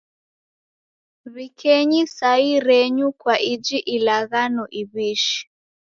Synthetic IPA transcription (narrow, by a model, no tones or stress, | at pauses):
βikʰɛɲisaiɾɛɲukwaʔid͡ʒiʔilaɣanɔʔiβiʃi̥